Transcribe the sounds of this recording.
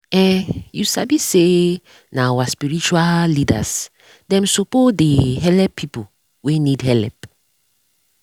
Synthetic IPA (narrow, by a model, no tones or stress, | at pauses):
ɛjusabise | naawaspiɹit͡ʃualida̰s | dɛ̃msopodeɦɛlɛpʰːipo | wenidɦɛlɛp